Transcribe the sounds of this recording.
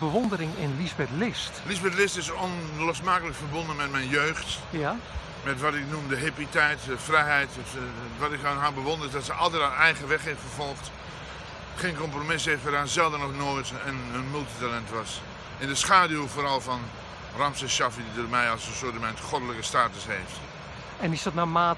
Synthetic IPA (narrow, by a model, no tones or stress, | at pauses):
bəʋɔndəɾɪŋɪnlisbɛtlɪstlisbɛtlɪstɪsɔnlosmaːkələkfərbõndənmɛtmɛjnjøːxt | mɛtʋɔtɪk̚numdəɦepitɛjtdəfrɛjɦɛjtə | ʋɔtɪkhaɦabəʋõndəɾɪzdɔtsəʔɑlˠtɛtanɛjɣəʋɛxhɪffərvɔlˠxt | χeːnkɔmpromɪsheːftʋadaːzɛlˠdənɔχnoːjtənənmylˠtitalɛntʋɑs | ɪndəsχaːdjufoːɾɑlˠfɔn | ramsəʃafididomɛjɔlˠsənsotəmɛntχodələkəstaːtəsheːft | ɛnɪsdɔtnamaː